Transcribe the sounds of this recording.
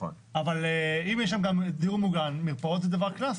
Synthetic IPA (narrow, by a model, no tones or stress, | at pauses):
o̰n | avaleimjɛʃ̬ʃamɡamd̪uʁmuɡanmiʁpaʁot̪zed̪avaʁklas